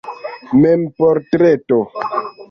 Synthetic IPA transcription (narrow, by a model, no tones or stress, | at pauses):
mɛmpɔɾtɾɛto